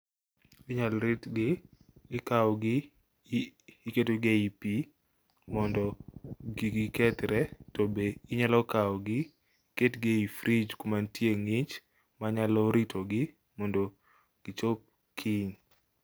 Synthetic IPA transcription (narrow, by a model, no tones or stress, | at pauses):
ɪɲalɾɪtɡɪ | ɪkawɔɡɪ | ketoɡeipi | mɔndɔɡiɡɪkɛtɾɛtobeɪɲalɔkawɔɡɪ | ketɡeifɾʔid͡ʒkomantjeŋɪt͡ʃ | maɲalɔɾitʰoɡɪ | mɔndɔ | ɡ̥ɪt͡ʃop̚ | kʰɪɲ